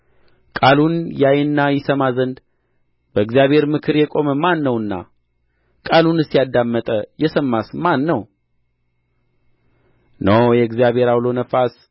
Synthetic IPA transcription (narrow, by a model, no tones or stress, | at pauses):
kʼalunjajɨnːajɪsəmazənd̪ | bəɨɡzijaβe̞ɾmɨkʰɨɾjɛkʼo̞məmanːəwɨnːa̰ | kʼalunɨsijad̪amːət̪ʼəjɛsəmːasmanːəw | nəjɛɨɡzijaβʱhe̞ɾawlo̞nəfas